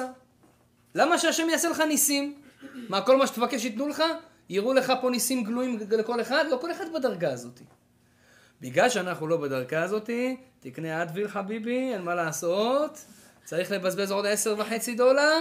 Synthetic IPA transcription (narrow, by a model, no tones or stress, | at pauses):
a | lamaʃeaʃe̞mjaaseleχanisimmako̞lmaʃe̥t̪vakeʃ̬it̪nuleχa | jiʁule̞χapo̞nisimɡluimle̞ko̞le̞χad̪lo̞ko̞le̞χad̪bed̪aʁɡaːzo̞t̪i̥ | biɡlalʃeanaχnulo̞bed̪aʁɡaːzo̞t̪it̪iknead̪vilħabibienmalaːso̞t̪ | t͡saʁiχle̞bazbe̞zo̞d̪ese̞ʁvaħe̞t͡sid̪o̞laʁ